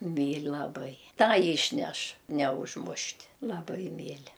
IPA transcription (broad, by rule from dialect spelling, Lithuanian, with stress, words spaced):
ˈmʲiːlʲ lˠɐˈbɐɪ ˈtɑː iːʃʲˈnʲɛʃ nʲɛʊʒˈmʊʃʲtʲ lˠɐˈbɐɪ ˈmʲiːlʲɪ